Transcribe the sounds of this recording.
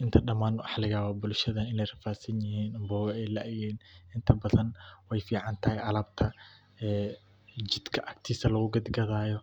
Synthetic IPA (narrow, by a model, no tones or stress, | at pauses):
ʔɪnt̪ʰɐɗɐmaːnʊʔɑħlɐɣaːwabʊlʃɐðɐɪnɛjrɐfaːsɐnjɪhiːnbɔːwɛjlɐʔjɛːnɪnt̪ʰɐbɐðɐnwɛjfiːʕɑnt̪ʰɐɦɛʔɐlɐb̚t̪ʰɐ | ɛː | d͡ʒɪd̪kʰɐʔɐk̚t̪ʰiːsɐlɐɣʊɡɐd̪ɡɐðaːjɔ